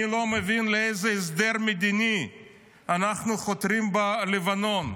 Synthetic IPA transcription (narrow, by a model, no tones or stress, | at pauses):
ilo̞mevinleejzeːs̬d̪eɾmed̪ini | anaχnuχot̪ɾimbalevano̞n